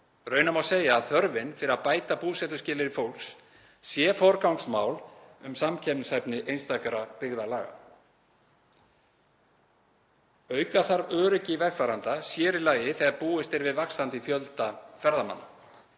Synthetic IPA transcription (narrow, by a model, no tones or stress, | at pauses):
ɾœɥnamawseːjaːðθœɾvɪnfɪɾɪɾapaːjt̪apuːsɛt̪ʏ̥scɪːlɪɾɪfowl̥ks | sjɛfɔɾkawŋksmaːwlʏmsamcʰɛpnshɛpnɪʔejnst̪akaɾapɪɣðalaːɣa̰ | œɥkaθaɾœːɾʏcɪvɛxfaːɾant̪asjɛːɾɪlaːjɪθɛɣaɾpuːɪst̪ɪɾvɪðvakst̪ant̪ɪθjœlt̪afɛɾðama̰nːa